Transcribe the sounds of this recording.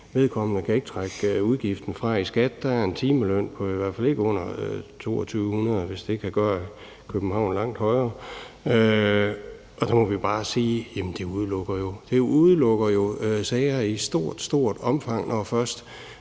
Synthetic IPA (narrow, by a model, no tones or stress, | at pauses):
ʋe̝ð̞ˠkʰɒ̽m̰ənəkʰæe̝ɡ̥ət͡sʰʁɑɡ̥uðˠɡ̥ifd̥n̩fʁɑ̈isɡ̥æd̥d̥ææɐe̝nt͡sʰiːməløn̰pʰɒ̽iʋæɐ̰fæle̝ɡ̥əɔ̽n̰ɐt͡sʰo̝̰ːɒt͡sʰyːʊhunɐð̞ˠʋe̝sd̥e̝̥kʰæɡ̥ɶːɐ | kʰøb̥m̩hɑ̈ʊ̰nlɑ̈ŋ̰d̥hɒ̽ɪɐːø | ɒ̽d̥ɑmɒ̽ʋib̥ɑ̈ːsiːjemn̩d̥e̝uð̞ˠlɔ̽ɡ̥ɐjo̝d̥euðˠlɔ̽ɡ̥ɐjo̝sɛɪɐisd̥o̝ɐ̰d̥sd̥o̝̰ɐ̰d̥ɒ̽mfɑ̈ŋ̰nʔɒfɶɐsd̥